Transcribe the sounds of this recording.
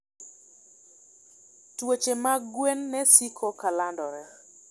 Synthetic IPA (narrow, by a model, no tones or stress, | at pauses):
twot͡ʃemaɡwenːɛsikʰɔkalandɔɾɛ